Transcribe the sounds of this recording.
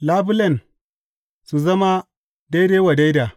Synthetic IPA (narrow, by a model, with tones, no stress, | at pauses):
laː˦bu˦lɐ˨n | su˨zɐ˦ma˦ | da˦jdeː˦wa˨da˦jda˨